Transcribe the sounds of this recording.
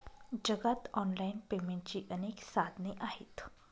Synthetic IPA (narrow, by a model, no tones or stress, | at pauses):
d͡ʑəɡat̪ɔnlainpemẽɳʈ̚t͡ɕiːʔəneksad̪ʱniːʔaɦḛt̪